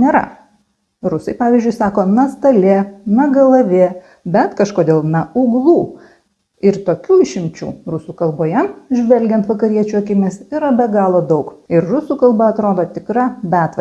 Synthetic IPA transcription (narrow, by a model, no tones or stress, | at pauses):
nʲeːɾɐ̰ | ɾʊsɐɪpɑːʋʲiːzʲd͡ʒʲʊɪsɑːkoːnɐst̪ɐlʲenɐɡɐlˠɐʋʲe | bʲɛt̪kɐʃkoːd̪ʲeːlˠnɐʊɡlˠuː | ɪɾt̪oːkʲuːɪʃʲɪmʲt͡ʃʲṵːɾʊsuːkɐlˠboːjɛmʒʲʋʲɛlʲɡʲɛnt̪ʋɐkɐɾʲiɛt͡ʃʲuɐkʲɪmʲɪsiɾɐbʲɛɡɑːlˠoːd̪ɐʊkɪɾrʊsuːkɐlˠbɐɐt̪ɾoːd̪oːt̪ʲɪkɾɑːbʲæːt̪ʋɐ